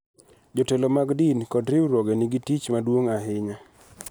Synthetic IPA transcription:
d͡ʒotɛlomaɡdinkɔdɾɪwɾwɔɡɛnɪɡitit͡ʃmadwoŋaɦɪɲa

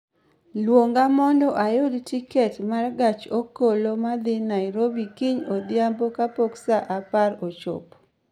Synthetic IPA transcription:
lwoŋɡamɔndɔʔajodtikɛtmarɡat͡ʃokolomad̪ɪnaɪɾobikiɲod̪jambokapoksaʔapaɾot͡ʃɔ̰p

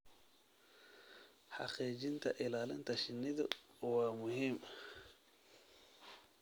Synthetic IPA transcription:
ħɑ̰qiːt͡ʃɪnt̪ʰɐ̰ʔɪlaːlɪnt̪ʰɐʃɪnːɪðʊ̰wɑːmʊhiːm

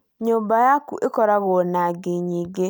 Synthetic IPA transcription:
ɲuːmbajakṵʔekoɾaɣonaɡeɲiːɡe

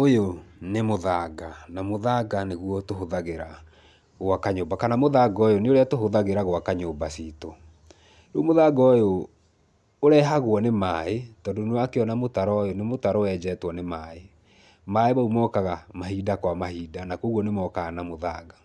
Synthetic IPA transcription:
ojonemoðaːɡanamoðaɡaneɣwɔtoɦoðaɣeɾa | ɣwakaɲoːbakanamoðaːɡɔjoneoɾeatoɦoðaɣeɾaɣwakaɲoːbasiːto | ɾomoðaːɡɔjo | oɾɛɦaɣwɔnemaːetɔːndonewakeɔnamotaɾɔjonemotaɾɔɛd͡ʑɛːtwɔnemaːe | maeβaumɔkaɣamaɦiːdakwamahiːdanakoɣwɔnemwɔkaɣanamoðaːɡa

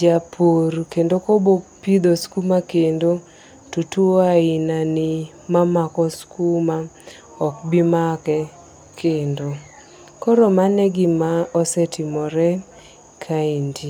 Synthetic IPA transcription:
d͡ʒapʰorkendokobopid̪oskumakendo | tutuaɪnanɪ | mamakɔskuma | ɔk̚bimakɛ | kʰendo | koɾomanɛɡɪmaɔsɛtɪmɔɾɛ | kʰaindi

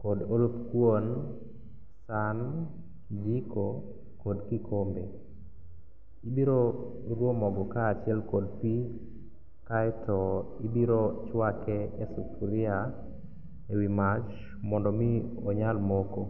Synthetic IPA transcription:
kɔdolopkwon | san | kd͡ʒikʰo | kɔdkikʰombe | ibiɾo | ɾwomɔɡɔkaːt͡ʃɪɛlkɔd̚pi | kaɛtɔibiɾot͡ʃwakɛɛsupuɾɪa | ewimat͡ʃ | mɔndɔmi | ɔɲalmoko

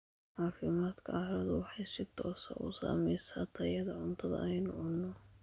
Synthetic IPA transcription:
ʕaːfɪmaːd̪kʰɐaɾɐðɔwɑħɑjsɪt̪ʰɔːsɐ̰ʔṵsa̰ːmɛjsɐt̪ʰɐjɐðɐʕʊnt̪ʰɐðɐ̰ʔɛjnʊʕʊnːɔ

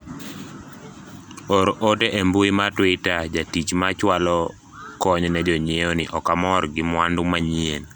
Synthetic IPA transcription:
oɾoteʔembuimatwɪtad͡ʒatit͡ʃmat͡ʃwalɔ | kɔɲnɛd͡ʒɔɲeonɪ̰ʔɔkamɔrɡɪmwandʊmaɲien

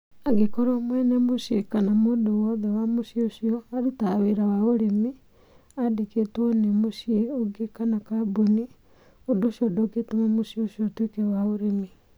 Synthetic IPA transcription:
aɡekoɾoːmwɛnɛmoʃjekanamoːdowɔðɛwamoʃioʃiɔaɾutaβeɾawaoɾemi | adeketwɔnemoʃieoɡekanakaboni | odoʃiɔdoketomamoʃioʃiɔtwekewaoɾemi

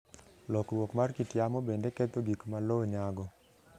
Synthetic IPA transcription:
lɔkɾwɔkmarkitjamɔbendɛkɛt̪oɡikmaloɲaɡɔ

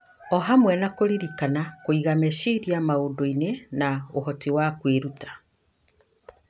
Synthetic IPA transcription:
ɔɦamwɛnakoɾiɾikanakoiɣamɛʃiɾiamaodoinenaoɦɔtiwakweɾutḁ

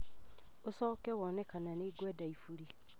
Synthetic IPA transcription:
osɔːkɛwɔnɛkananeːɡwɛːdaifuɾi

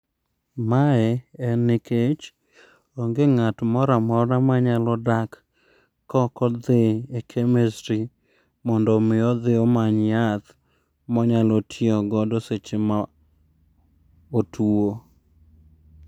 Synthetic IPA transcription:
maɛɛnɪket͡ʃ | oŋɡɪŋatmɔɾamɔɾnamaɲalɔdakː | ɔkɔd̪ɪekʰemesɾi | mɔndɔmɪɔd̪ɪomaɲjat̪ | mɔɲalɔtʰjɔɡɔdoset͡ʃema | otuo

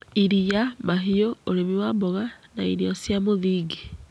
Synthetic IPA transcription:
iɾiamaɦiooɾemiwambɔɣanaiɾiɔsjamoðiːɡe

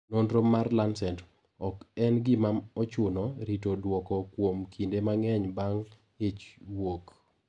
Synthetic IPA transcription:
nonɾomarlansɛnt | ɔkɛnɡɪmamɔt͡ʃʊnɔɾitodwɔkɔkwomkʰindemaŋɛɲbaŋ | et͡ʃwok

